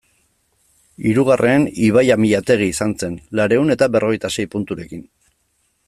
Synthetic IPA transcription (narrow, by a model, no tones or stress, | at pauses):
iɾuɣ̞arʔe̞ːniβ̞ajamiʎat̪e̞ɣ̞iːsanse̞nlaɾe̞une̞t̪aβe̞rʔo̞ɣ̞e̞jt̪ase̞jpunt̪uɾe̞kin